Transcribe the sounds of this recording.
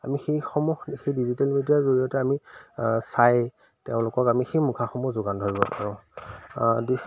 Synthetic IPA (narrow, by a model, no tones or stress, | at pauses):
a̰mixejxɔmuxxejdizitɛlmidiaɹzoɹijɔtɛamisaj | teʊ̃lʊkɔkamixejmukʰaxɔmuzʊɡandʱoɹibɔpaɹɔ̃ʊ | di